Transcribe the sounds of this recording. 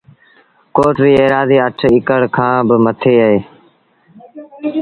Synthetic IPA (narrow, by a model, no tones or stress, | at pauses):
koːʈʋiːeːɾaːziːəʈʰɪkəɽkʰãːbəmət̪ʰeːəɦeː